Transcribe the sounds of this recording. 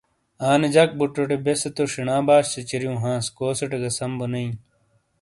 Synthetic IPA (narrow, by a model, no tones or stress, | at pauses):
aːned͡ʑɐk̚buʈːoʈebeset̪oʂiɳãːbaːɕset͡ɕiɾjũːɦãːskoːseʈeɡɐsɐmbunɐĩ